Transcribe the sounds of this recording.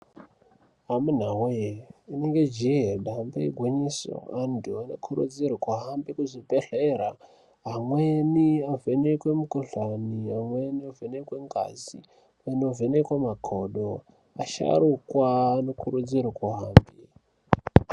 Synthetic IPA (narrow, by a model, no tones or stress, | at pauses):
amun̤awujeineŋɡed͡ʒieɗambeiɡʱweɲiso̰andʱuano̰kʰurṵd͡zirukwaɦambikuʐipeɬeɾa | ɦamweniavenekwemukoɬaniɦamweniovenekweŋɡa̰zḭ | anovenekwemakʰoɗo | aʃa̰ɾukwaːnokʰuɾud͡ziɾukwaɦaːmbi